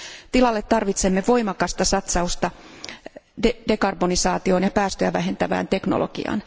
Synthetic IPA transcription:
t̪ilɑlːet̪t̪ɑrʋit̪semːeʋo̞imɑkɑst̪ɑsɑt̪sɑust̪ɑ | dede̞kɑrbonisɑːt̪io̞ːnjɑpæːst̪øjæʋæɦe̞nt̪æʋæ̰ːnt̪e̞kno̰lʔo̰ɡ̥ḭɑ̰n

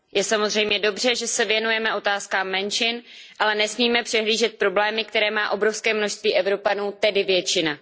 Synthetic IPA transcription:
jɛsamo̞zr̝ɛjmɲɛdo̞br̝ɛʒɛsɛvjɛnujɛmɛʔo̞t̪aːskaːmːɛnt͡ʃɪn | ʔalɛnɛsmiːmɛpr̥ɛɦliːʒɛt̪̚pɾo̞blɛːmɪk̚t̪ɛɾɛːmaːʔo̞bɾo̞fskɛːmno̞ʃst̪viːʔɛvɾo̞panuːt̪ɛdɪvjɛt͡ʃɪna

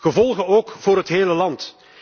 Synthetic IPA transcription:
ɣəvɔlˠɣənoːkv̥oːɾrɦətɦeːləlɑnt

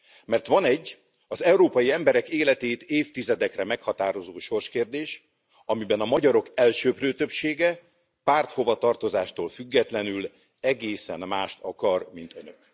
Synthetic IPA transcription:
mɛrt̪ʋɒnɛɟː | ɒzɛwuɾoːpɒjiɛmbɛɾɛkeːlɛt̪eːt̪eːft̪izɛd̪ɛkrɛmɛkhɒt̪aːɾo̞zoːʃo̞rʃkeːrd̪eːʃ | ɒmibɛnɒmɒɟɒɾo̞kɛlʃøːprøːt̪øpʃeːɡɛ | paːrt̪ho̞vɒt̪ɒrt̪o̞zaːʃt̪oːlfyɡːɛt̪lɛnyl | ɛɡeːsɛ̰nmaːʃt̪ɒkɒrmint̪ø̞nøk

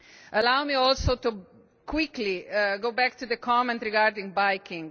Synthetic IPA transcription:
ʔɐlawmiɔlsoʊt̪u | kwikliɡoʊbɛkt̪ud̪əkʰɔmɛ̃nt̪ɾiɡaɾd̪ĩŋɡ̚bajkĩŋ

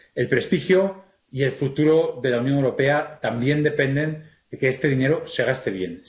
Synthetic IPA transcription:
e̞lpɾe̞st̪ixjo̞ | ie̞lfut̪uɾo̞ðe̞launjoŋewɾo̞pe̞at̪ambje̞nd̪e̞pe̞nd̪e̞n | d̪e̞kest̪e̞ðine̞ɾo̞se̞ɣ̞ast̪e̞β̞je̞̰n

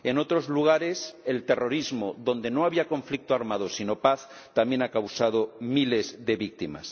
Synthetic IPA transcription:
eno̞t̪ɾo̞zluɣ̞aɾeselt̪ero̞ɾizmoðo̞nd̪e̞noaβiakõ̞ɱflik̚t̪oaɾmað̞osino̞paθ | t̪amje̞nakawsað̞omile̞zðe̞βik̚t̪ima̰s

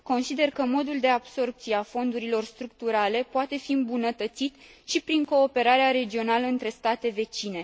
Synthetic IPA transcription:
ko̞nsid̪e̞rkəmo̞d̪uld̪e̞ab̥so̞rp̚t̪sieafo̞nd̪uɾilo̞rst̪ɾuk̚t̪uɾale̞poat̪e̞fiɨmbunət̪ət̪sit̪ | ʃipɾiŋko̞ːpe̞ɾaɾeaɾe̞d͡ʒio̞naləɨnt̪ɾe̞st̪at̪e̞ve̞t͡ʃine̞

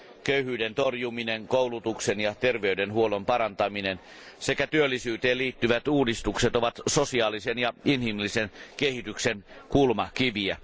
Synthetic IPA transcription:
køyhyːdent̪orjumineŋkoulut̪uksenjɑt̪erʋeydenhuolompɑɾɑnt̪ɑminen | sekæt̪yølːisyːt̪eːliːt̪ːyʋæt̪uːdist̪ukset̪oʋɑt̪sosiɑːlisenjɑinhimlːisenkehit̪yksenkulmɑkiʋiæ

